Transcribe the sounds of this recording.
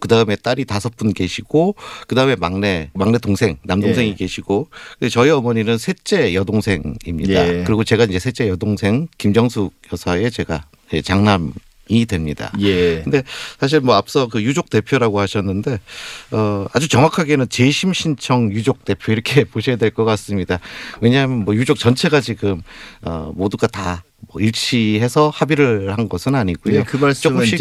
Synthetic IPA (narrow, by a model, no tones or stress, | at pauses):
kɯdaɯme̞t͈aɾitasʰʌp͈unke̞ɕʰiɡ̥okɯdaɯme̞maŋne̞maŋne̞toŋsʰe̞ŋnamdoŋŋsʰe̞ŋike̞ɕʰiɡokɯet͡ɕʌiʌmʌɲinɯnsʰet͡ɕ͈e̞jʌdoŋsʰe̞ŋḭmɲḭda̰kɯɾiɡot͡ɕe̞ɡaind͡ʑe̞sʰe̞t͡ɕ͈e̞jʌdoŋsʰe̞ŋkimd͡ʑʌŋsʰujʌsʰae̞t͡ɕe̞ɡa | et͡ɕaŋnam | idwe̞mɲida̰jkkɯnde̞sʰaɕ̬ʰiɭmwʌap̚s͈ʌkɯjud͡ʑok̚te̞pʰjoɾaɡohaɕʰʌnːɯnde̞ʌa̰d͡ʑut͡ɕʌŋwakʰaɡe̞nɯnt͡ɕeɕʰimɕʰint͡ɕʰʌŋjud͡ʑok̚t͈e̞pʰjoiɾʌkʰe̞poɕʰʌjadwe̞ɭkʌk͈as͈ɯmɲidawe̞ɲamjʌnmwʌjud͡ʑok̚t͡ɕʌnt͡ɕʰe̞ɡad͡ʑiɡɯmʌ̰moduɡata | mʌiɭt͡ɕʰiɦe̞sʰʌhabiɾɯɭhanɡʌsʰɯnaɲiɡujokɯat͡ɕ͈ʌɕ͈i